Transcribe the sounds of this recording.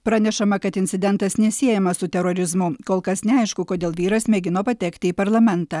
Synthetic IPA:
pɾɑːnʲɛʃɐmɐkɐt̪ɪnʲtsʲɪd̪ʲɛnt̪ɐsnʲɛsʲiɛjɛmɐsʊt̪ʲɛɾoːɾʲɪzmʊkoːlˠkɐsnʲɛɐɪʃkʊkoːd̪ʲeːlˠʋʲiːɾɐsmʲɛɡʲɪnoːpɐt̪ʲɛkt̪ʲɪiːpɐɾlˠɐmʲɛnt̪ɑː

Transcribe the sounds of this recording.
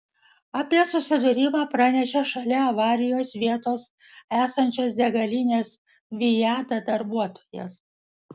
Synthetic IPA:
ɑːpʲiɛsʊsʲɪd̪ʊɾʲɪmɑːpɾɑnʲɛʃʲɛʃɐlʲɛɐʋɑːɾʲɪjoːsʋʲiɛt̪oːs | æːsɐnʲt͡ʃʲoːsd̪ʲɛɡɐlʲɪnʲeːs | ʋʲɪjæːt̪ɑd̪ɐɾbuɔt̪o̥ːjɛ̰s

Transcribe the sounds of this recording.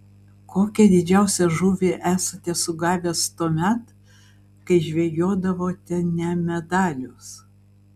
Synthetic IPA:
koːkʲɛd̪ʲɪd͡ʒʲæˑʊsʲɛʒuːʋʲeʔæːsɐt̪ʲɛsʊɡɑːʋʲest̪oːmʲɛt̪ | kɐɪʒʲʋʲeːjoːd̪ɐʋoːt̪ʲɛnʲɛmʲɛd̪ɑːlʲʊs

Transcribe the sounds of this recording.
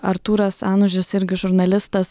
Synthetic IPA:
ɐɾt̪uːɾɐsɑːnʊʒʲɪsɪɾʲɡʲɪʒʊɾnɐlʲɪst̪ɐs

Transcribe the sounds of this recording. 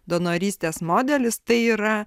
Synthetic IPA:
d̪onoːɾʲiːsʲt̪ʲeːsmoːd̪ʲɛlʲɪst̪ɐɪiːɾɐ

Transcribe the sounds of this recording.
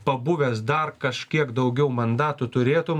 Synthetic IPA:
pɐbʊʋʲeːsd̪ɐɾkɐʃʲkʲiɛkd̪ɐʊɡʲɛʊmɐnd̪ɑːt̪ʊt̪ʊɾʲeːt̪ʊm

